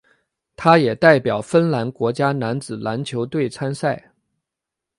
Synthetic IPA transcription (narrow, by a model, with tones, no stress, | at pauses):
t̪ʰa˥jɛ˨˩t̪a˥˩ɪpjɑ˨˩ʊfə˥nla˧˥nkwɔ˧˥t͡ɕja˥na˧˥nt͡sɹ̩˨˩la˧˥nt͡ɕʰjo˧˥ʊt̪we˥˩ɪt͡sʰa˥nsa˥˩ɪ